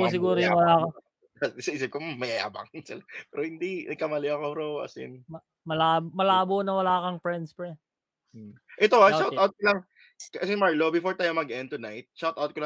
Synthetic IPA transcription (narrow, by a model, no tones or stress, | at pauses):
os̬ɪɡuːɾojɐwɐlaːkɐ | sɐʔiːsɪp̚komɐjɐja̰ːbɐ̰ŋsɪlapɛːɾohɪnd̪inɐɡ̚kɐmɐlɪɐkoɾowa̰sɪ̰nmɐ | mɐlaːbmɐlaːbonɐwɐlaːkɐŋpɹɛnspɹɛ | ʔɛt̪oaʃawt̪awt̪̚kolaŋ | kɐɐsɛmaɹlobɪfoɹt̪ajmɐɡʔɛn̚t̪ʊnajt̪̚ʃawt̪awt̪̚kola